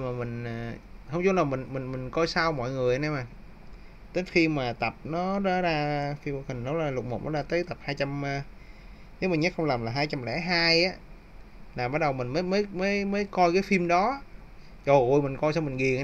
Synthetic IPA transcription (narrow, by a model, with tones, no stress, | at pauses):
maː˨˩mï˨˩ŋ̟ː˨˩hə˧ŋ͡mt͡ɕu˨˦˥laː˨˩mï˨˩ŋmï˨˩ŋmï˨˩ŋ̟kɔ˧jsa˧wmɔ̰˧˨jŋɨ˨˩əjnɛ˧maː˨˩ | t̪ə˨˦jxi˧maː˨˩t̪ə˨˩p̚nɔ˨˦za˨˦zaː˧fi˧m̚˧hï˨˩ŋ̟nɔ˨˦zaː˨˩lʊ˨˩t̚mo˨˩k͡p̚nɔ̰˨˦zaː˧t̪əː˨˦jt̪ə˨˩p̚haː˧jt͡ɕa˧mː˧ | ne˨˦wmi˨˩ŋɲa˦˥k̚xə˧ŋ͡mlaː˨˩mlaː˨˩ɦaː˧jt͡ɕa˧mlɛ̰˧˩˥ɦaː˧jʔaː˨˦ | laː˨˩ɓaː˨˦˥t̚ɗə˨˩wmï˨˩ŋ̟məː˨˦jməː˨˦jməː˨˦jməː˨˦jkɔ˧jkaː˨˦jfi˧mɗɔ˨˦ | zo˨˩ʔo˧˩jmi˨˩ŋ̟kɔ˧jsa˧wmï˨˩ŋ̟ɣi˨˩ə